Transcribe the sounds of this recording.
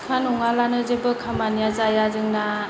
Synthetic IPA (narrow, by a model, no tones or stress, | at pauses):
kʰanɔŋalanɯzebɯkʰamanijazajazɯŋna